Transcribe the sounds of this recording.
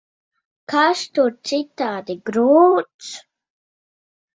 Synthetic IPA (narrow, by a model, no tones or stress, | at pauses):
kaʃt̪uɾt̪sit̪aːd̪iɡɾuːt̪s